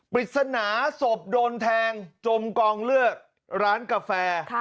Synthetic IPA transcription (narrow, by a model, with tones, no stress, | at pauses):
pɾi˨˩t̪̚sa˧naː˩˦so˨˩p̚doː˧nt̪ʰɛː˧ŋt͡ɕo˧mkɔː˧ŋlɯ˥˩ək̚ | ɾaː˦˥nka˧fɛː˧